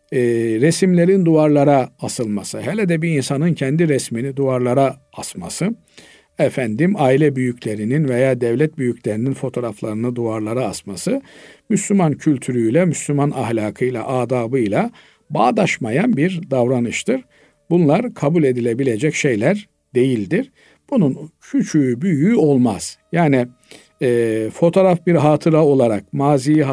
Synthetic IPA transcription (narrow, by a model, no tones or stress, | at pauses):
ɾesimlʲe̞ɾind̪uaɾlˠaɾaːsɯlˠmasɯɦɛlʲɛd̪ɛbiinsanɯncʰɛnd̪iɾɛsminid̪uaɾlˠaɾa | asmasɯ | efænd̪imaːilʲɛbyjycʰlʲe̞ɾininve̞jaːd̪ɛvlʲɛt̪̚byjycʰlʲe̞ɾininfo̞t̪ʰo̞ɾaflˠaɾɯnɯd̪uaɾlˠaɾaːsmasɯmyslʲymancʰylʲt̪ʰyɾyjlʲɛmyslʲymanahlʲaːkʰɯjlˠa̰ʔaːd̪aːbɯjlˠa | baːd̪aʃmajanbiɾd̪avɾanɯʃt̪ʰɯɾ | bunlˠaɾkʰabulʲe̞d̪ilʲe̞bilʲe̞d͡ʒɛcʃe̞jlʲæɾ | d̪e̞jilʲd̪iɾ̥ | b̥ununcʰyt͡ʃʰybyjyo̞lˠmaz̥jaːni | ɛːfo̞t̪ʰo̞ːɾafbiɾɦaːt̪ʰɯɾao̞lˠaɾak̚maːzij